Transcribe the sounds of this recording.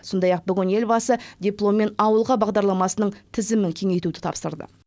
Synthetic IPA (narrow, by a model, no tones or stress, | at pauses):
so̞nd̪ɑjɑq̚bʏɡʲɪne̞lbɑsəd̪ʲiplˠo̞mːe̞nɑwəlˠʁɑbɑʁd̪ɑɾlˠɑmɑsənəɴt̪ʰɪzɪmɪŋkʲʰe̞ŋe̞jt̪ud̪ɪ̥t̪ʰɑ̰psəɾd̪ə̰